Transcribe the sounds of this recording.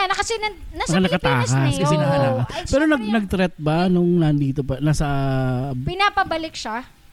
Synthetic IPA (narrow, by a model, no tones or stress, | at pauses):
anɐkɐsɛnɐ | nɐɐɐnɐkɐt̪aːkɐsɐsɪɐkɐt̪aːkɐspɛːɾonɐɡnɐɡ̚t̪ɾɛt̪̚bɐnʊŋnɐnd̪iːt̪opɐnasɐ | pɪnapɐbɐlɪk̚ʃa